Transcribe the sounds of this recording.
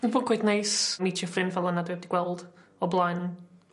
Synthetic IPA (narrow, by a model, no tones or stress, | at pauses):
vʊːnkʰwejdnejsmitʰjɔfrɪnvɛlˠənadwɛb̚diɡ̥wɛlˠd̥ | ɔblˠajn